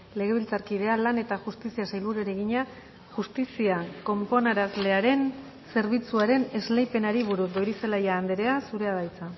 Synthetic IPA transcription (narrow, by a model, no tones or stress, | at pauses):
le̞ɣ̞e̞β̞ilt͡saɾkiðe̞alane̞t̪aʝust̪isiasajlβuɾueɾe̞ɣiɲa | ʝust̪isiako̞mpo̞naɾazle̞aɾe̞n | se̞ɾβ̞it͡suaɾe̞ne̞zlejpe̞naɾiβuɾudo̞jɾise̞lajaːnd̪eɾe̞asuɾe̞aðajt͡sa